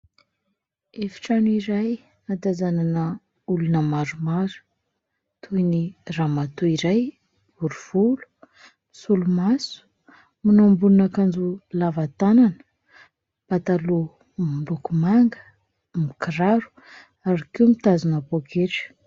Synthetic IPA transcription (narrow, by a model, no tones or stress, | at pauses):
efi̥ʈ͡ʂaniɾaj | ad̪azananə | ulunəmaɾumaɾu̥ | t̪ʰujniramat̪uiɾaj | b̥uɾuv̥ulu̥ | misulumasu̥ | minombununakand͡zulavat̪ananə̥ | pat̪alu | mulukumaŋɡə̥ | mikiɾaɾu̥ | aɾikiwmit̪azunapokeʈ͡ʂə̥